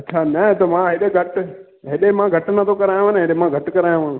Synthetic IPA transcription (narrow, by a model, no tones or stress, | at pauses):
ɐtːt͡ʃʰanɐ̃t̪omãɦeɗeɡʱɐʈ | ɦeɗemãɡʱɐʈnat̪ʰokɐɾaːjõanẽɦeɗemãɡʱɐʈkɐɾaːjõãːñ